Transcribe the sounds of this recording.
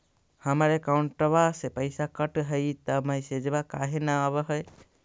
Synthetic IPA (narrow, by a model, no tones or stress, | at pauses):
hamaɾekawɳʈːəβasepəjsakəʈɦəjt̪əməjsed͡ʒebakaɦenaɔbəɦəj